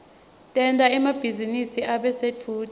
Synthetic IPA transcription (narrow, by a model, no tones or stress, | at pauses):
tʼɛntʼaɛmab̥ʱizinisiaɓɛset͡fʰuːd